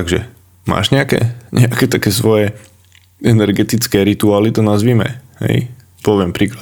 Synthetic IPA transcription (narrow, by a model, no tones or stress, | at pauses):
t̪aɡʒɛ̰ | ma̰ːʒɲɛakɛ̰ːɲʔɛakɛt̪akɛːsʋɔjɛ | ɛnɛɾɡɛt̪it͡skɛːɾit̪uaːlit̪ɔnazʋiːmɛ̰hɛ̰j | pɔʋɪɛmpɾiːklat̪